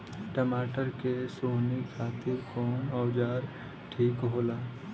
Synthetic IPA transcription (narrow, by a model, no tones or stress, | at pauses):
ʈɐmaːʈəɾkesoːɦnɪkkʰaːt̪ɪɾkɔːnɔːd͡ʒaːɾ | ʈʰiːkɦoːlaː